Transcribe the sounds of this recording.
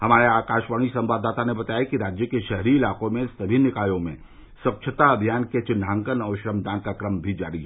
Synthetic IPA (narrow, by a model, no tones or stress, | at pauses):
hɐmaːɾeaːkaːʃʋaːɽ̃isɐ̃mʋaːd̪aːt̪anebɐt̪aːjakiɾaːd͡ʒjəkeʃɛɦɾiɪlaːkõmẽsɐbʱinɪkaːjõmḛ̃ | swɐkʃʰət̪aɐbʱijaːnket͡ʃɪnãːŋkənɐʊʃɾəmd̪aːnkakɾəmbʱid͡ʒaːɾiɦɛ